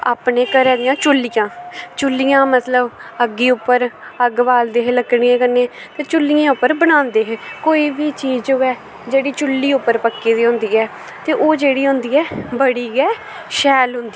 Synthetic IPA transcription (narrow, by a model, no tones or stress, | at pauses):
a̰ːpnẽːkəɾɛːd̪ɪjãːt͡ʃʊlːɪjãːt͡ʃʊlːijãːmət̪ləbəɡːiːʊpːəɾəɡʋaːld̪eːɦeləkːɽjẽːkənːẽː | t̪eːt͡ʃʊlːɪjãːʊpːəɾbəñaːnd̪eːɦeːkoːiːʋiːt͡ʃiːzʊɛː | d͡ʒeːɽiːt͡ʃʊlːiːʊpːəɾpəkːeːd̪iːɦʊ̃nd̪iːɛː | t̪eːʔoːd͡ʒeːɽiːɦʊ̃nd̪iːɛːbəɽiːɡɛː | ʃɛːlɦʊnd̪iː